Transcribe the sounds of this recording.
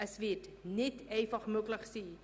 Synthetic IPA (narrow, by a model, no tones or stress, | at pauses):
əsvitnɛtɛjfɐχmukləχsi